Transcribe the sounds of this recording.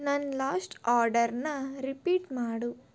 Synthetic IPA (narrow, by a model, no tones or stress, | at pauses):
nɐnlaːsʈaːɾɖɐɾnɐɾipiːʈmaːɽu